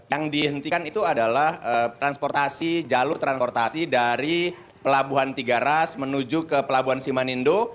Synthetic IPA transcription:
jaŋdiɦənt̪ikanit̪uadalahət̪ɾanspɔrt̪asid͡ʒalʊrt̪ɾanspɔrt̪asidaɾi | pəlabuɦant̪iɡaɾasmənud͡ʒukəpəlabuɦansimanindo

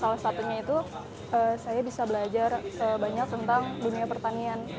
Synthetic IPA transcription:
salasat̪uɲait̪u | ʔəːsajabisabəlad͡ʒarəbaɲak̚t̪ənt̪aŋduniapərt̪anian

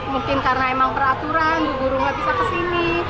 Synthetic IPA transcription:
mukɪnkarnaemaŋpərat̪uɾanduɡuɾuŋabisakəsini

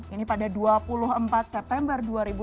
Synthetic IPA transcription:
inipadaduapulʊɦəmpat̪̚sɛp̚t̪ɛmbərduaɾibu

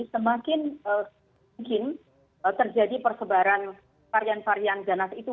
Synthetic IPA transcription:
səmakɪnə | ŋkɪn | ət̪ərd͡ʒadipərsəbaɾan | faɾjanfaɾijandanasit̪u

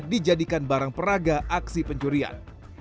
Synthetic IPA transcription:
did͡ʒadikanbaɾaŋpəɾaɡaʔaksipəɲt͡ʃuɾia̰n

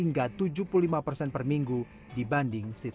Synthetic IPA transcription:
iŋɡat̪ud͡ʒupululimapərsɛnpərmiŋɡu | dibandɪŋsit̪

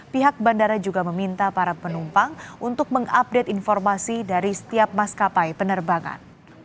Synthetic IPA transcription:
piɦak̚bandaɾad͡ʒuɡaməmint̪apaɾapənumpaŋʔunt̪ʊk̚məŋap̚dɛt̪infɔrmasidaɾisə̥t̪iap̚maskapajpənərbaŋa̰n

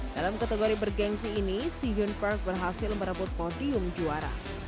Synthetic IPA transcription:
d̥alamkat̪eɡoɾibərɡɛŋsiːnisid͡ʒʊnpark̚bərɦasɪlməɾəbʊt̪̚podiʊmd͡ʒuaɾa̰

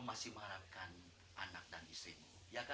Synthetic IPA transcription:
masɪhməŋaɾap̚kan | anak̚danisɾim | jaka

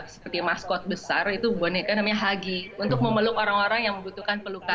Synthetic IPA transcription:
səpərt̪imaskɔt̪̚bəsarit̪ubonekanamaɲaɦaɡiunt̪ʊk̚məməlʊkoɾaŋoɾaŋjaŋməmbut̪ukanpəluka

